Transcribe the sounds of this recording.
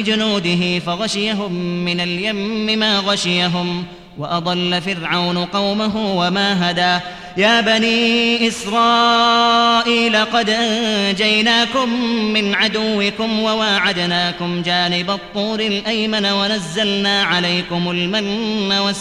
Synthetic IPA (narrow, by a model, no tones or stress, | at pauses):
ɪd͡ʒʊnuːd̪ɪɦɪfaɣaʃɪjaɦʊmːɪnaljamːɪmaːɣaʃɪjaɦʊm | waʔɑd̪ˤɑlːafɪɾʕawnʊqɑwmaɦʊwamaːɦad̪aː | jaːbaniːʔɪsɾˤɑː | ʔiːlɑqɑd̪ʔannd͡ʒajnaːkʊmːɪnʕad̪ʊwːɪkʊmwawaːʕad̪naːkʊmd͡ʒaːnɪbat̪ˤːuːɾɪlʔajmanawanazːalnaːʕalajkʊmʊlmanːawa